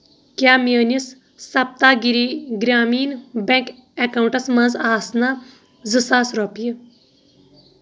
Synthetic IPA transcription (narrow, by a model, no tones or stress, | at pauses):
kjaːməːnis | sɐp̚t̪aːɡiɾiːɡɾʲaːmiːnbɛ̃ŋk | ekawuɳʈɐsmãnzaːsna | zɨsaːsɾopijə